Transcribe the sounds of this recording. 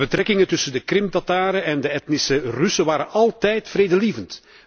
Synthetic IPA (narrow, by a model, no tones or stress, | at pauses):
bət̪rɛkɪŋətɵsəndəkrɪmtɑtaːɾəʔɛndəɛtnɪsərʏsəʋaːɾənɑlˠtɛjtfreːdəliːvənt